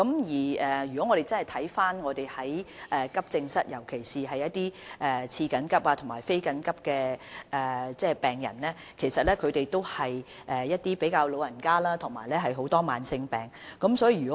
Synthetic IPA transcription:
kɐ˨˥mjiː˨ɛː˨jy˨kɔː˨˥ŋɔː˨˧ɾe˨jt͡sɐ˥nhjt̪ʰɐ˨˥jfaː˥nŋɔː˨˧t̪e˨jhɐ˨˥jʔɛː˨kɐ˥p̚t͡sɪ˧ŋsɐ˥t̚jɐ˨˩wkʰe˨˩jsiː˨ɦɐ˨jːɐ˥t̚t̪iː˥ʔɛː˨˩t͡sʰiː˧kɐ˨˥nkɐ˥p̚aː˧t̪ʰʊ˨˩maː˨˩jfe˥jkɐ˨˥nkɐ˥p̚kɛː˧ʔɛː˨˩t͡sɛː˥˩pɛː˨˩ŋjɐ̰˨˩nlɛː˥ | kʰe˨˩jsɐ˨t̚lɛː˥kʰɵ˨˧ɥt̪e˨jt̪o˥whɐ˨j | ʔɛː˨jɐ˥t̚t̪iː˥pe˨˥jkaː˧wlo˨˧wjɐ˨˩nkaː˥laː˥t̪ʰʊ˨˩ŋma̰ː˨˩jlɛː˥ɦɐ˨jɦo˨˥wt̪ɔː˥maː˨˧nsɪ˧ŋpɛː˨˩ŋkɐ˨˥msɔː˨˥jiː˨˧˩yː˨˩kɔ˨˦

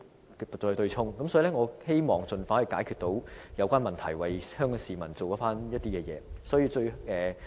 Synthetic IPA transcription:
tɔ˧˨˧t̪ɵ˧ɥt͡ʃʰʊ˥ŋkɐ˨msɔː˨˥i˨˧lɛ˥ŋɔː˨˧he˥jmɔː˨ŋt͡sɵ˨˧nfaː˨˥hɐ˨jkaː˨˥jkʰy˨t̚t̪o˨˥wjɐ˨˧wkʷaː˥nmɐ˨nt̪ʰɐ̰˨˩jwɐ˨jhœː˥ŋkɔː˨˧siː˨mɐ˨˩nt͡so˨wkɔː˨˥faː˥njɐ˥t̚t̪iː˥kɛː˧jɛ̰ː˨˧sɔː˨˥jiː˧t͡ʃɵ˧ɥɛː˨

